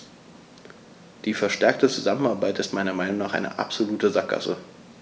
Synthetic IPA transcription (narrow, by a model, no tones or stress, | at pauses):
d̥iːfɛɐʃtɛɐk̚tət͡suzamənaɐbaɪtɪstmaɪnɐmaɪnʊŋnaːχʔa̰ɪnə̰ʔa̰pz̥oluːtəzak̚ɡ̥a̰sə